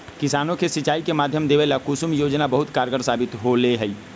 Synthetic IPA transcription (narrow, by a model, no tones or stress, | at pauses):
kisaːnõkesit͡ʃaːikemaːd̪ʱjəmd̪eʋelakusumjod͡ʒnabəɦut̪kaɾɡəɾsaːbit̪ɦoleɦəi